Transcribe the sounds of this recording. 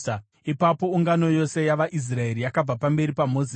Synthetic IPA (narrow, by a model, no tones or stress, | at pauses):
ipapo̞uŋɡano̞jo̞se̞jaʋaʔis̬rae̞ɾijakab͡vapambe̞ɾipamo̞zi